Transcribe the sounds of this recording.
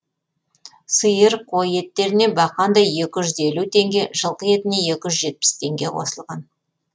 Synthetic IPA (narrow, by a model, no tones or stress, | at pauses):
səjəɾqʰo̞je̞t̪ːe̞ɾɪne̞bɑqɑnd̪ɑjje̞kʲɪʒʏze̞lut̪ʰe̞ŋɡʲe̞ʒəlˠqəje̞t̪ɪne̞je̞kʲɪʒʏzʒe̞t̪̚pɪ̥st̪ʰe̞ŋɡʲe̞qʰo̞̰səlˠʁɑn